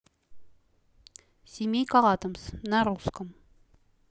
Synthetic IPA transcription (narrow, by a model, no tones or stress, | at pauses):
sʲimʲejkɑʁɑt̪ə̆msnæɾuskə̆m